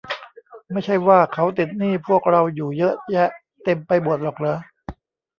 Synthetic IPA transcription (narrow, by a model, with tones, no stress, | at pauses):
ma˥˩jt͡ɕʰa˥˩jwaː˥˩kʰa˦˥wt̪i˨˩t̪̚niː˥˩pʰu˥˩ək̚ɾa˧wjuː˨˩jɤ˦˥ʔjɛ˦˥ʔ | t̪e˧mpa˧jbu˨˩ət̪̚lɔː˨˩k̚lɤː˧˦